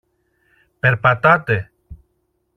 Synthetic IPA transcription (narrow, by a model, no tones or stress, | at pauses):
peɾpat̪at̪e